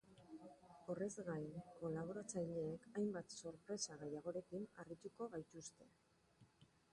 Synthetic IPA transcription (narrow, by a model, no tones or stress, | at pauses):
o̞re̞zɣajko̞laβ̞o̞ɾat͡sajʎeːkajmbat̪so̞ɾpɾe̞saɣe̞jaɣ̞o̞ɾe̞kinarit̪uko̞ɣajt̪ust̪e̞